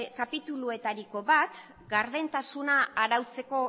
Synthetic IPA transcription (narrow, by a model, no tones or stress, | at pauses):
kapit̪ulue̞t̪aɾiko̞βat̪ | ɡaɾðe̞nt̪asunaːɾawt͡se̞ko̞